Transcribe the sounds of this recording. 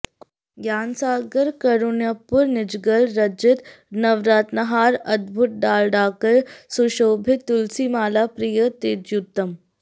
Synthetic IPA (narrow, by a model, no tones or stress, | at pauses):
ɡjaːnsaːɡəɾkəɾuɳjəpːuɾnɪd͡ʒɡəlɾəd͡ʒɪt̪ | nɐʋɾaːt̪nɐɦaːɾɐd̪̚bʱut̪̚ɖaːlɖaːkəɾsuɕoːbʱit̪ːulsimaːlapɾijət̪eːtjut̪ːəm